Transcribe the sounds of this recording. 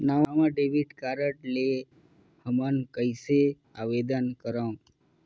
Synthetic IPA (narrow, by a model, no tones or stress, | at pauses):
naaʋãɖeʋiɖkaɾəʈle | həmənkəjse | aʋed̪ənkəɾa